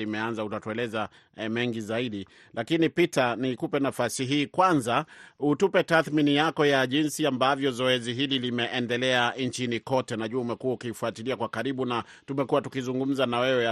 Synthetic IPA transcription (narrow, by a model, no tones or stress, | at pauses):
limɛanzautatuɛlɛza | mɛŋɡizaiɗi | lakinipitanikupɛnafasiɦiːkwanzautupɛtaθminijakɔjaʄinsiambavjɔzɔɛziɦililimɛʔɛndɛlɛant͡ʃinikɔtɛnaʄuaumɛkuwaukiːfuatiliakwakaɾiɓuna | tumɛkuwatukizuŋɡum̩zanawɛwɛa